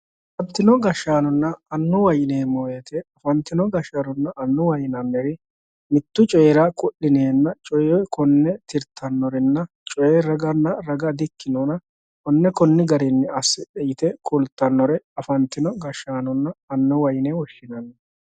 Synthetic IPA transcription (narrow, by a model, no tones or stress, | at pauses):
fɐnt̪ːɪnɔɡɐʃaːnɔnːɐɐnːɔwɐjneːmojet̪ʰɛɐfɐnt̪ːɪnɔɡɐʃaːnʊnːɐʔɐnːʊwɐjnɐnːɛɾɪ | mɪt̪ːʊt͡ʃʼɔːɾakʼʊʔːɪneːnːɐt͡ʃʼɔjɔjkʰɔnːɛt̪ɪɾt̪ʰːɐnːɔɾɛnːɐ | t͡ʃʼɔjɛɾɐɡɐnːɐɾɐɡɐd̪ɪkːɪnoːnɐ | kɔnːɛkɔnːɪɡɐɾɛnːɛɐsːɪᶑɛjɪt̪ɛkʼʊlt̪ːɐnːɔɾɛɐfɐnt̪ːɪnɔɡɐʃaːnɔnːɐɐnːɔwɐjnewɔʃːɪnɐnːɛ